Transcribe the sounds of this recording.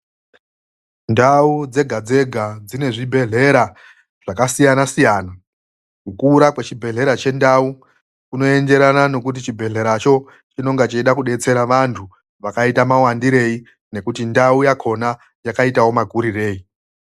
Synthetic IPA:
ndaud͡ze̞ɡʱad͡ze̞ɡʱad͡zine̞ʐibʱe̞ɮe̞ɾa | ʐ̥akasijanasijaːna | kukuːɾakwet͡ʃibʱe̞ɮe̞ɾat͡ʃe̞ndau | kuno̞e̞nde̞ɾanano̞kut̬it͡ʃibʱe̞ɮe̞ɾat͡ʃo̞ | t͡ʃino̞ŋɡat͡ʃeiɗakuɗe̞t͡se̞ɾaʋantʰu | ʋakaitamawandiɾe̞i | ne̞kutindaujakʰo̞na | jakaitawo̞maɡʱuɾire̞ːi

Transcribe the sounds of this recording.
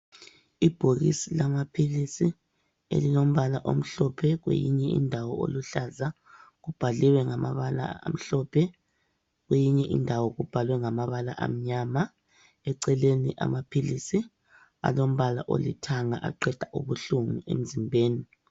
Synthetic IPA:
ib̥ʱoɣisilamapʰilisi | ḛlilom̩βalaʔom̩ɬɔpʰɛɣwḛjiɲɛḭndʱawɔo̰luɬaza | ɣub̥ʱaliwɛŋamaβala̰a̰m̩ɬɔpʰɛ | ɣwejiɲɛʔḭndʱawɔɣub̥ʱalwɛŋamaβalaʔa̰m̩ɲama | ɛǀɛleniʔa̰mapʰilisi | a̰lom̩βala̰ʔo̰lḭtʰaŋa̰ʔa̰ǃɛd̥ʱḁʔuβuɬuŋuḛm̩zimbʱeːni

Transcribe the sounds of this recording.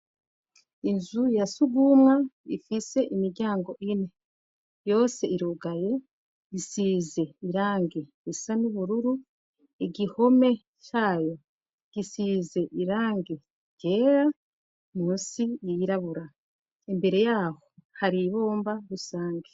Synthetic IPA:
inzujasuɡumŋaifise̞ʔimiɾɟaːŋɡo̞ʔine | jo̞ːse̞iɾuɡaje̞ | isiːze̞iɾaːŋɡe | isanuβuɾuɾu | iɟiho̞me̞ | caːjo | ɡ̥isize̞ʔiɾaːŋɡe | ɟ̥e̞ːɾa | muːnsijiiɾaβuɾa | imbe̞ɾe̞jaːho̞haɾiβo̞ːmbaɾusaːŋɡe

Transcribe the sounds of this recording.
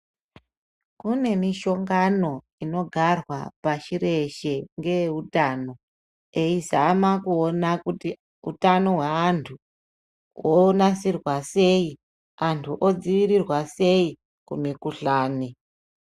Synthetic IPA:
kune̞miʃo̞ŋɡano̞ | ino̞ɡʱarwapaʃiɾe̞ʃe̞ŋɡeutaːno̞ | eizamakuonakuti | ṵtano̞ɦweantʰu | wʔo̞nasirwase̞i | antʰuʔod͡ziʋiɾirwase̞i | kunekuɬaːni

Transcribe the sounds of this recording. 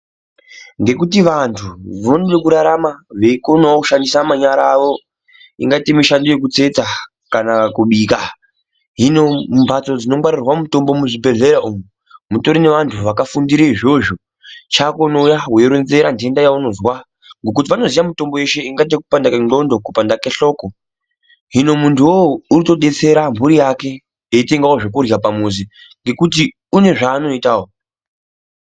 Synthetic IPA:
ŋɡe̞kutiʋantʰuʋonolekuɾaɾamaʋe̞ikonaokuʃandisamaɲaɾaʋo̞ | ḭŋɡatimiʃandojek̬ut͡se̞t͡sa | kanakuɓiːka | ɦinompʰat͡so̞d͡zino̞mwaɾirwamuto̞mbo̞muʐibʱe̞ɮe̞ɾaumu | muto̞ɾine̞ʋantʰuʋakafundiɾeiʐo̞ʒo | t͡ʃakonoujaɦweɾwenze̞ɾandendajauno̞zwa | ŋɡo̞k̬ut̬iʋano̞zijamuto̞mbo̞je̞ʃe̞iŋɡat̬eku̥pandakeŋɡo̞ndokupandakeɬo̞ːko | ɦino̞muntʰuwouɾito̞ɗe̞t͡se̞ɾambuɾijake̞ | eite̞ŋɡawoʐokurjapamuzi | ŋɡe̞kuti | une̞ʐaːno̞itaːwo

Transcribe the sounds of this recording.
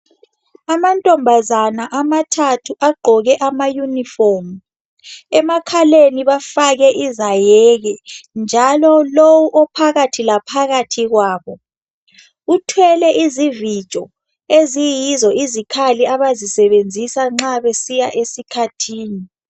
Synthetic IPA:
amantʼɔmbʱazanaʔamatʰatʰuʔaɡ͡ǃʱɔɣɛʔamajunifɔmu | ɛmakʰaleniβafaɣɛʔizajɛɣɛnd͡ʒʱalɔlowuʔɔpʰaɣatʰilapʰaɣatʰiɣwaːβɔ | utʰwɛlɛʔizivi̥t͡ʃʼɔ | ezijizɔʔizikʰaliaβazisɛβend͡zʱisaŋ͡ǁaβesijaʔesikʰatʰiːni

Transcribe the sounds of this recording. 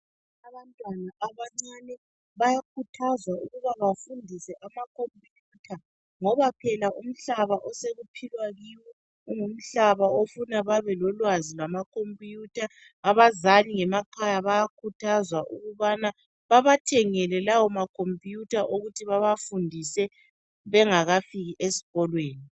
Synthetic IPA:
aβantʼwanaʔaβaŋ͡ǀanɛ | βajakʰutʰazwauɣuβaβafundʱisɛʔamakʰompʼjuːtʰa | ŋɔβapʰɛlaʔum̩ɬaβaʔɔseɣupʰilwaɣiwɔ | uŋum̩ɬaβaofunaβaβɛlɔlwazilwamakʰompʼjutʰaː | βazaliŋɛmakʰajaβajakʰutʰazwaʔuɣuβana | βaβatʰɛŋɛlɛlawɔmakʰompʼjutʰaʔoɣutʰiβaβafundʱisɛ | βɛŋaɣafiɣiʔesi̥ɣɔlweːni

